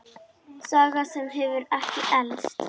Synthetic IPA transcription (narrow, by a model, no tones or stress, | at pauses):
saːɣasɛmɦɛvʏɾɛhcɪʔɛlst̪